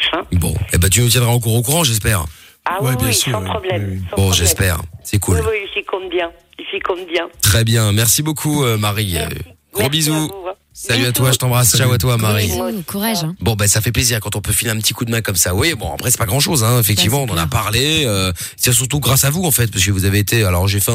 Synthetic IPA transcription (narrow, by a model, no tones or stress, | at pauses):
fɛ̃bɔ̰̃ebɛt̪̬ynut̪̬jɛ̃d̪ʁaɑ̃kuʁokuʁɑ̃ʒɛs̬pɛːʁ | awwɛbjɛ̃spɔblɛ̃bɔ̃ʒɛspɛ̰ːʁsɛkʰulifikɔ̃bjɛ̃ | ilfikɔ̃bjɛ̃t̪χɛbjɛ̃mɛʁsibokʰuømaʁiø̰ | ɡʁɑ̃bizu | salyat̪waʒət̪ɑ̃bʁasʒauat̪wamaʁikuʁaʒ̃bɔ̃basafɛpleziʁkɑ̃t̪ɔ̃pøfileʁɛ̃pət̪ikud̪əmɛ̃kɔmsawibɔ̃a̰pχɛsɛ̥paɡʁɑ̃ʃozɛ̃efɛk̚t̪ivmɑ̃ɔ̃nɑ̃na̰paʁleø | sɛsyʁt̪uɡʁasavuɑ̃fɛt̪̚paʁskəvuzaveːt̪ealɔ̰ʁʒefɛ̃